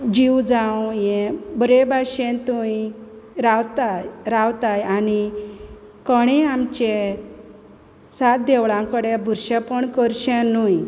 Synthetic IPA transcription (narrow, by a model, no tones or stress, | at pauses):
d͡ʑiwd͡zãwjẽbəɾebʱaɕẽnt̪uĩ | ɾawt̪aɾawt̪ajani | kəɽ̃ẽamt͡ɕe | sat̪̚d̪eʋɭãkəɽebʱuɾɕapəɳkəɾɕẽnuj